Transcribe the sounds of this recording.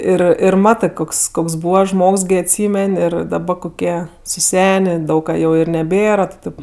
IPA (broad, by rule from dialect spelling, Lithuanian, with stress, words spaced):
ˈɪr ɪr ˈmɑːtɜ ˈkoːks ˈkoːks ˈbuːʋɐ ˈʒmoːks ˈɡʲɪ ɐtʲˈsʲiːmʲɛnʲ ˈɪr dɐˈbɐ koːˈkʲiɛ sʊˈsʲæːnʲeː ˈdɐʊk kɐ jɛʊ ɪ nʲɛˈbʲeːrɐ tʲɪ ˈtʲeːp